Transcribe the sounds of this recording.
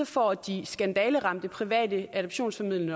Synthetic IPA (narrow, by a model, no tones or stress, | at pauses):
ɒfɒ̰d̥isɡ̥ænd̥ɛːləʁɑ̈m̰d̥əpʰʁiʋɛ̰ːd̥əʔæd̥ɒb̥ɕo̝̰ːnsfɒmið̰lɐnə